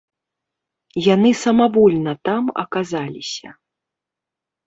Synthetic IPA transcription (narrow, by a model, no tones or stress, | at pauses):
janɨsɐmabɔlʲnɐt̪amɐ̰kazalʲisʲɐ̰